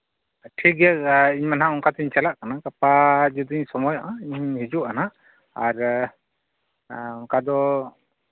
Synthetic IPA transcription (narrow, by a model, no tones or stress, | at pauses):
ʈʰik̚ɡɛiɲmanɦaɔŋkat̪iɲt͡ʃalaʔkanakapad͡ʒɔd̪iiɲsɔmɔjɔ̰ʔaiɲɦid͡ʒuʔanaʔ | aɾ | ɔŋkad̪ɔ